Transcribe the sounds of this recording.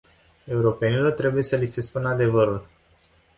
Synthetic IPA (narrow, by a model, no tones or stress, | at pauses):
e̞uɾo̞pe̞nilo̞rt̪ɾe̞buje̞səlise̞spunad̪e̞vəɾul